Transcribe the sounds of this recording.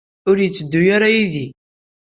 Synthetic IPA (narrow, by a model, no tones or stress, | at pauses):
ʊɾjət͡sːəd̪ːujaɾajiði